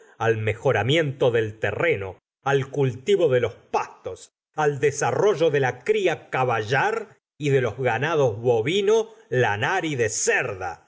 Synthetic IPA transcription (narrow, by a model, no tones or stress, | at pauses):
almexo̞ɾamje̞nt̪oðe̞lt̪ḛreno̞ | alkult̪iβoðelo̞spast̪os | ald̪esaro̞ʒo̞ðe̞lakɾiakaβaʒaɾ | iðe̞lo̞zɣanaðo̞zβoβinolanaɾiðeseɾða̰